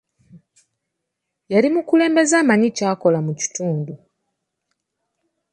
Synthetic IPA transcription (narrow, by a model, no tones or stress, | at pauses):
jaɾimukule̞ːmbe̞zaːmaɲicaːko̞lamuci̥tuːndu